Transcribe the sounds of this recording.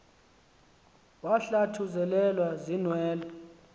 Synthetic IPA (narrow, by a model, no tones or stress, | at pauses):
waɬatʰuzɛlɛlwazinwɛːlɔ